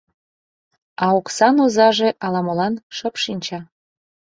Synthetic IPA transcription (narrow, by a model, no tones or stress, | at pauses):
ɑoksɑnozɑʒeʔɑlɑməlɑnʃəpʃinʲt͡ɕɑ